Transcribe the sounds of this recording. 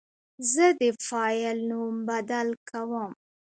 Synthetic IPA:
zəd̪əfɑjəlnumbad̪alkawəm

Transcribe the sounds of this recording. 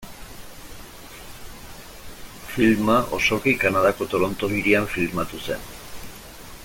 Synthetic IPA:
filmaʔo̞̰so̞kikanað̞ako̞t̪o̞ɾo̞nt̪o̞ɣiɾiaɱfilmat̪use̞̰n

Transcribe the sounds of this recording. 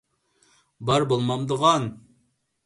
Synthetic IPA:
bɑɾbolˠmɑmd̪əʁɑn

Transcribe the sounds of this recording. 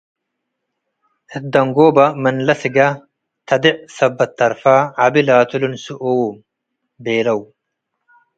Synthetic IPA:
ʔɪd̪ːɐŋɡoːbɐmɐnlɐsɪɡa | t̪ʰɐd̪ɪʔsɐbːɐt̪ːɐɾfaːɐbɪlaːt̪ʊlʊnsʊʔɔwuːm | beːlɐʊ

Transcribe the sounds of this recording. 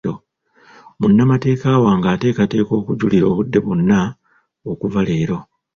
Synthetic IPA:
o̞ | munːamate̞ːkaːwaːŋɡaːte̞ːkate̞ːko̞ːkuɟuliɾo̞ːβudːe̞βonːa | okuvale̞ːɾo̞

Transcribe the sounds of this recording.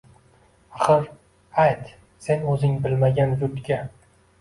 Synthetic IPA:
aχɨɾ | ajt̪ | se̞nɵzɪŋbɪlmaɡʲanzʊd̪ɡʲa

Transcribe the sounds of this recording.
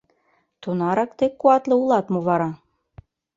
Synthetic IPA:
t̪unɑɾɑkt̪ekːuɑt̪lɤ̆ulˠɑt̪moβɑɾɑ

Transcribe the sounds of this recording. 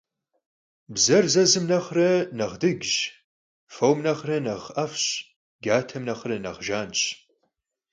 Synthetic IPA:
bzɐrzɐzɨmnɐχrɐnɐʁdɨɡʑ | fowmnɐχrɐnɐʁɐfɕ | ɡaːtʰɐmnɐχrɐnɐ̰ʁʒaːnɕ

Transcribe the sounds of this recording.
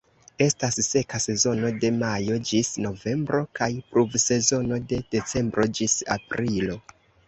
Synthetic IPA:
e̞stasːe̞kase̞zo̞no̞de̞majo̞d͡ʒisno̞ve̞mbɾo̞kajpɾuvse̞zo̞no̞de̞d̥e̞t͡se̞mbɾo̞d͡ʒisa̰pɾilo̞

